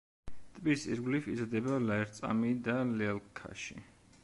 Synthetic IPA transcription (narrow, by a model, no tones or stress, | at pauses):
t̪ʼbisḭɾɡlifḭzad̪ɛbalaɛɾt̪sʼa̰mid̪alɛɛlkʰa̰ʃḭ